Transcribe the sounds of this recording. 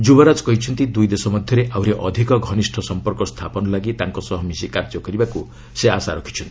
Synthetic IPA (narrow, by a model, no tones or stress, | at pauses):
d͡ʒubɔɾad͡ʒkɔɦit͡ʃʰɔnt̪id̪ujd̪esɔmɔd̪ʱjɔɾeʔʔawɾeʔɔd̪ʱikɔɡʱɔnisʈʰɔsɔmpɔɾkɔst̪ʰapɔnɔlaɡit̪aŋkɔsɔɦɔmisikaɾd͡ʒɔkɔɾibaku | seasaɾɔkʰi̥t͡ʃʰɔnt̪i